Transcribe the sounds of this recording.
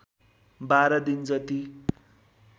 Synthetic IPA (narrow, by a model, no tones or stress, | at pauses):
baɾʌd̪ind͡zʌt̪i